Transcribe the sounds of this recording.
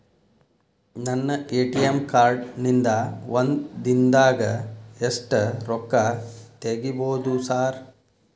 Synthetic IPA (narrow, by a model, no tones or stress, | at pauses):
nɐnːɐeːʈijemkaːɾɖnind̪ɐʋɐnd̪d̪ind̪aːɡɐesʈɐɾɔkːɐt̪eɡiboːd̪usaːɾ